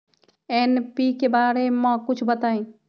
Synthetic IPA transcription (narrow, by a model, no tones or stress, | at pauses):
ɛnpikebaːɾemə̃kʊt͡ʃʰbət̪aːĩ